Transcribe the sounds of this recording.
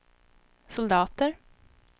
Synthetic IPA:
sʊld̪ɑːt̪əɾ

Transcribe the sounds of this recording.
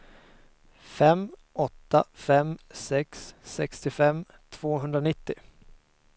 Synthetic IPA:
fɛmɔt̪ːafɛmsɛksːɛkst̪ɪfɛm | t̪ʰv̥oːɦɵnd̪ɾanɪt̪ːɪ

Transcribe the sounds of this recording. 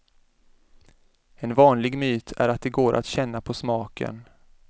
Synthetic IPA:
ɛnvɑːnlɪɡmyːt̪ʰæ̰ɾat̪̚d̪ɛɡoːɾʔa̰t̪ɕɛnːapʰɔsmɑːkə̰n

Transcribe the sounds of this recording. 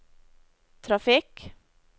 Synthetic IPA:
t̪ʰɾɑfɪk

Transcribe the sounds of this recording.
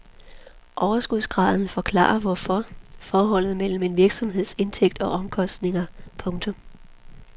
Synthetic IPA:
ʔɒʊɐsɡ̥uð̰ˠsɡ̥ʁɑ̈ːðˠn̩fɒ̽kʰlɑ̰̈ːɐʋɒfɒfɒːɦɒ̽l̰ð̩ˠmel̰m̩e̝nʋiɐɡ̥sɒ̽mɦe̝ð̞̰ˠse̝nt͡sʰeɡ̥̚d̥ɒ̽ʔɒ̽mkʰɒ̽sd̥ne̝ŋɐpʰɔ̽ŋt͡sʰɔ̽m

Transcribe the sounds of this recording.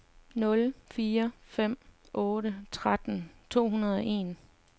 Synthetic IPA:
nɔ̽lfiːɐfem̰ | ʔɔ̽ːɾət͡sʰʁad̥n̩t͡sʰo̝̰ːɦunɐð̞ˠɒe̝̰ːn

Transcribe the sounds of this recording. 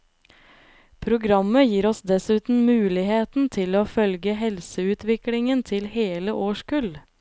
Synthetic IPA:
pʰɾʊɡɾɑməjiːɾɔsd̪ɛsʉːt̪n̩mʉːlɪheːt̪n̩t̪ʰɪloːfœlɡəhɛlsəʉːt̪ʋɪklɪŋənt̪ʰɪlheːləʔoːʃkʉl

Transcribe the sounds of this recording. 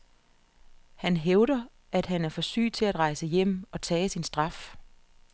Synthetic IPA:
hænɦeʊɾ̥ɐ | æd̥ɦænæɐfɒ̽sy̰̥ːt͡sʰe̝læd̥ʁɑ̈ɪsəjem̰ɒ̽t͡sʰɛːsinsd̥ʁɑ̈f

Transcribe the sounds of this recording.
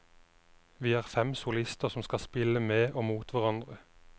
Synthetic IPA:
ʋiːæːʁfɛmsʊlɪst̪əʁsɔmskɑspɪləmeːʔoːmuːt̪ʰʋæʁɑnd̪ʁə

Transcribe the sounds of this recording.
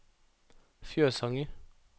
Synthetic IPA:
fjøːsɑŋə

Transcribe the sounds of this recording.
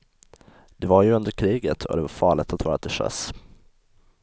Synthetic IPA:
d̪̥ɛvaɾjɵɵnd̪əɾkʰɾiːɡət̪ʰɔ̰d̪ɛvaɾfɑːɭɪt̪at̪vɑːɾat̪ɪʂœ̰s

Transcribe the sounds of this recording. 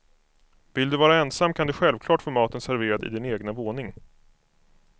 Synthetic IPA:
vɪld̪ɵvɑːɾaɛnsamːkʰand̪ɵɧɛlvkʰlɑːʈfoːmɑːt̪ənsæɾveːɾad̪ɪ̰d̪ɪneːɡnavoːnɪŋ

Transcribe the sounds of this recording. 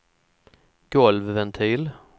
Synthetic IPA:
ɡ̥ɔlvvɛnt̪ʰiːl

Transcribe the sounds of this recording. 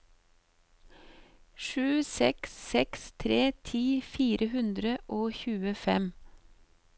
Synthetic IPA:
ʃʉːsɛksːɛkst̪ʰɾeːt̪ʰiːfiːɾʔəhʉnd̪ɾəʔoːçʉːəfɛm

